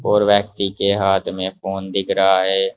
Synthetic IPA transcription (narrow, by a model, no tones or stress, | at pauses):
oːɾʋɛːkt̪iːkeːɦaːt̪ʰmẽːpʰoːnd̪ɪkʰɾaːɦɛː